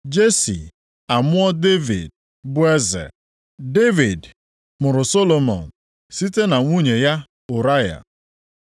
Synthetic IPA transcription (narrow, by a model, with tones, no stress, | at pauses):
d͡ʒe˦sḭ˨ | a˨mʊ˦ɔ˦de˦vḭ˨d̚ | bʊ˦e˦zḛ˨ | de˦vi˨d | mʊ˨ɾʊ˨so˦lo˨mɔ̰˨n̩˨ | si˦te˦na˨ŋʷu˦ɲe˨ja˦ | ʊ˨ɾa˦ja̰˨